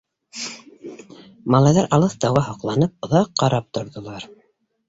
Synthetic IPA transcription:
mɑlˠɑjðɑɾʔɑlˠɤθt̪ɑwɑɦɑqlˠɑnɤp̚ŏðɑqːɑɾɑp̚t̪ŏɾðŏlˠɑɾ

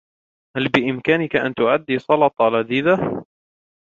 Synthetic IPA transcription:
halbɪʔɪmkaːnɪkaʔa̰nt̪ʊʕad̪ːiːsˤɑlɑt̪ˤɑlad̪iːd̪a

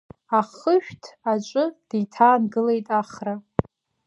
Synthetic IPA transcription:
aχəʃᶣtʰat͡ʃʷʼʊd̥ijtʰaːnɡɨlejtʼaχra

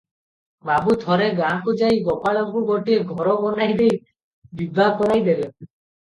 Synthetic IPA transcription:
babut̪ʰɔɾeɡakud͡ʒajɡɔpaɭɔŋkuɡoʈieɡʱɔɾɔbɔnajd̪ej | bibʱakɔɾajd̪ele

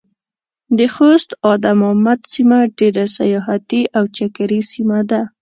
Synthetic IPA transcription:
d̪əxost̪ɑd̪amamad̪simaɖeɾasajɑɦat̪iʔawt͡ʃakaɾisimad̪a

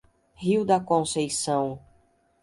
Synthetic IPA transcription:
hiwd̪ɐkõsejsɐ̃w̃

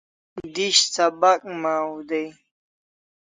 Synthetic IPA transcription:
d̪iɕsɐbɐk̚ʼmaːud̪ej

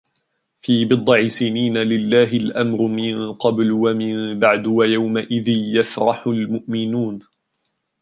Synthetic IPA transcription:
fiːbɨd̪ˤːɑʕisɪniːnalɪlːaːɦɪlʔamɾʊmɪnqɑblwamɪmbaʕd̪wajawmaʔɪðɪnjafɾɑħʊlmʊʔmɪnuːn

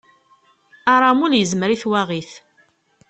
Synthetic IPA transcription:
aɾˤamuljəzməɾiθwaʁiθ

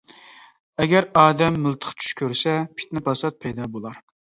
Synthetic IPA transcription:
ɛɡʲɛɾɑːd̪ɛmːɨlˠt̪ʰə̥χt͡ʃʰy̥ʃkʲøɾsɛpʰi̥t̪nɪpʰɑsɑt̪̚pʰɛjd̪ɑːbolˠɑɾ

